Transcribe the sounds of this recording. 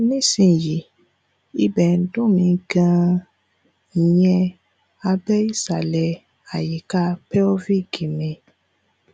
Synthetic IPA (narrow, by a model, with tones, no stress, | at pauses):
nĩ˦sĩ˧˨ji˨ | i˦bɛ˨˦dũ˦˨mĩ˧ɡã˧˦ | i˨jɛ̃˧ | a˧bɛ˦i˦sa˨lɛ˧ | a˨ji˨ka˧pɛ˦ɔ˦vi˦˨ɡi˨mẽ˨˧